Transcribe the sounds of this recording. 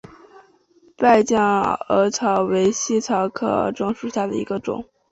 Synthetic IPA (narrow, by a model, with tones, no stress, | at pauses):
pa˥˧ɪt͡ɕjɑ˥˩ŋə˧˥t͡sʰɑ˧˥ʊwe˧˥ɪɕi˥˩t͡sʰɑ˧˥ʊkʰɤ̰˨˩ʈ͡ʂɤ˥ŋʂu˨˧˩ɕja˥˩d̪ə̰˩ḭ˧˥ɡə˧ʈ͡ʂʊ̰˨˩˦ŋ